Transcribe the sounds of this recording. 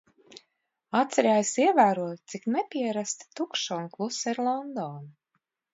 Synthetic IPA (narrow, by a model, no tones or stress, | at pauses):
at̪sɛɾaːjsiɛvæːɾuɔt̪t̪siknɛpʲiɛɾast̪i̥t̪ukʃɔːnklˠusɛɾlˠɔnd̪ɔːnu